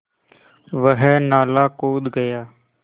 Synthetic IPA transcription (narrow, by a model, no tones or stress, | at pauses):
ʋəɦɛːnaːlaːkoːd̪ɡəjaː